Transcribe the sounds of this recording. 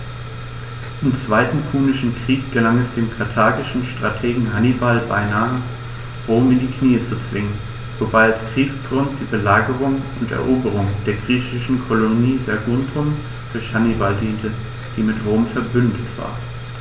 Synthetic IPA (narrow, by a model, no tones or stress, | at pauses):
ʔɪmt͡sv̥aɪtn̩kʰuːnɪʃn̩kʁ̥iːk̚ɡ̥əlaŋɛsd̥eːmkʰaɐtʰaːɡɪʃn̩ʃtʁ̥atʰeːɡŋ̩hanibalbaɪnaːə | ʁoːmɪndiːkʰniːət͡sut͡sv̥ɪŋən | vobaɪalskʁ̥iːksɡ̥ʁʊnt̚d̥iːbəlaːɡəʁ̞ʊŋʊntɛ̰ɐʔoːbəʁ̞ʊŋd̥eːɐɡʁiːçɪʃn̩kʰoloniːzaɐɡʊntʰʊm | d̥ʊɐçhanibaldiːntə | d̥iːmɪtʁoːmfɛɐbʏndətv̥a̰ːɐ